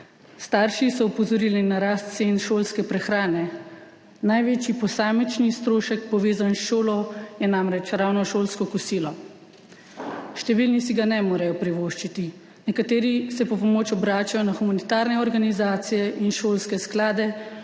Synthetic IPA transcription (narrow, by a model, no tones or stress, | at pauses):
st̪aːɾʃisɔupɔzɔɾiːlinaɾast̪̚senʃoːlskɛpɾɛxɾaːnɛ | najʋeːt͡ʃjipɔsaːmit͡ʃnist̪ɾoːʃɛk̚pɔʋeːzanʃoːlɔjɛnamɾɛt͡ʃɾawnɔʃoːlskɔkusiːlɔ | ʃt̪ɛʋiːlnis̬iɡanɛmoːɾajɔpɾiʋoːʃt͡ʃit̪i | nɛkat̪eːɾisɛpɔpɔmoːt͡ʃɔbɾaːt͡ʃajɔnaxumanit̪aːɾnɛɔɾɡanizaːt̪sijɛʔinʃoːlskɛsklaːd̪ɛ